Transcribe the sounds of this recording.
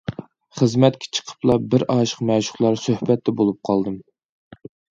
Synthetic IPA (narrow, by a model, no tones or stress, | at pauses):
χəzmɛt̪̚kʲʰɛ̥t͡ʃʰə̥qʰə̥plˠɑbɪɾɑːʃə̥qmɛʃʊ̥χlˠɑɾsøhbɛt̪ʰːɛbolˠup̚qʰɑlˠd̪ɨm